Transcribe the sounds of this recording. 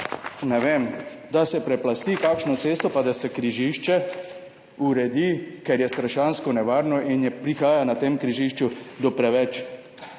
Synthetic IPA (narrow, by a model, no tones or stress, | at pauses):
nɛʋeːmd̪asɛpɾɛplast̪ikaːkʃnɔt̪seːst̪ɔpad̪asɛkɾiʒiʃt͡ʃɛ | uɾɛd̪ikɛɾjɛst̪ɾaʃaːnskɔnɛʋaːɾnɔʔinjɛpɾixaːjanat̪eːmkɾiʒiʃt͡ʃud̪ɔpɾɛʋɛt͡ʃ